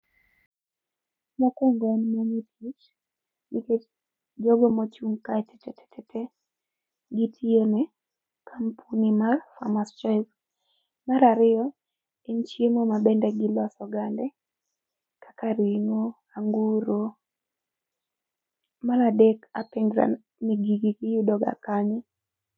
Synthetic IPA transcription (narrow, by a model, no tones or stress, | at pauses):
makɛŋɡɔnmomitʰit͡ʃ | nike | d͡ʒɔɡɔmot͡ʃuŋkaɛtɛ̥tɛtʰɛ̥tɛtʰɛ | ɡitʰione | kʰampʰunimarfa̰mast͡ʃak | maɾaɾɪɔ | ent͡ʃjemomabɛndɛɡɪlasɔɡandɛ | kʰḁkaɾiŋo | aŋɡuɾo | maɾadɛkapɛŋɡɾa̰ | niɡiɡikijudɔɡa̰kaɲɪ